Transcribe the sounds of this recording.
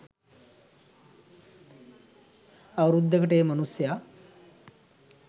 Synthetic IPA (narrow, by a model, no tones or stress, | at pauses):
aʋɾud̪ʱːəkəʈeːmɐnusja